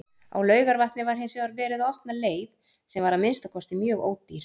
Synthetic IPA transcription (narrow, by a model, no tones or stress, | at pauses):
a̰wlœːɥɣaɾvaht̪nɪvaɾ̥ɦɪnsɛaɾvɛːɾɪðaɔhpnaleːjð | sɛmvaɾamɪnst̪akʰɔst̪ɪmjœːɣo̰ːwt̪ːiɾ̥